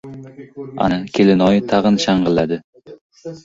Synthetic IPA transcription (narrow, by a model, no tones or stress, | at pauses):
a̰nɪkʲʰelɪnɒjt̪ʰɑʁɨnʃɑɴʁɨlˠːad̪ɪ